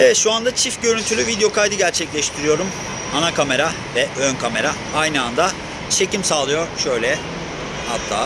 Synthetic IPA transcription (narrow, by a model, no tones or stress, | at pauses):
evɛt̪ʃuand̪at͡ʃʰifɟø̞ɾynt̪ʰylʲyvid̪ejo̞kʰajd̪ɯɟæɾt͡ʃʰɛclʲɛʃt̪ʰiɾijo̞ɾum | anakʰame̞ɾa | vɛʔønkʰame̞ɾa | ajnɯand̪a | t͡ʃʰe̞cimsaːlˠɯjo̞ɾʃø̞jlʲɛ | ha̰t̪ʰːa̰ː